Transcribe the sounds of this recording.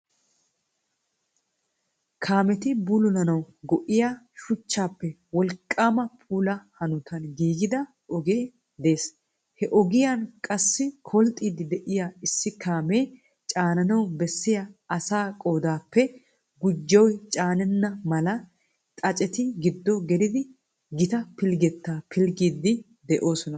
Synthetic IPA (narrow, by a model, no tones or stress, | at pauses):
kʰaːmɛt̪ɪbulɔnɐnɐw | ɡɔʔɪja | ʃʊt͡ʃːaːpːɛ | wɔlkʼːaːmɐpʼuːlɐhɐnʊt̪ɐnɡiːɡɪd̪ɐ | ʔɔɡeː | d̪e̞ːs | hɛʔɔɡɪjɐnkʼɐsːɪkʰɔlt̪ʼiːd̪ɪd̪ɛʔɪjaɪsːɪkʰaːmeː | t͡ʃʼaːnɐnɐwbɛsːɪjɐɐsaːkʼo̞ːd̪aːpːɛ | ɡʊd͡ʒːɐwjt͡ʃʼaːnɛnːɐmɐlɐ | t̪ʼɐt͡ʃʼɛt̪ɪɡɪd̪ːɔɡɛd̪ɪd̪ɪ | ɡɪt̪ɐpɪlɡɛt̪ːaːpʰɪlɡiːd̪ːɪ | d̪ɛʔo̞ːsɔnɐ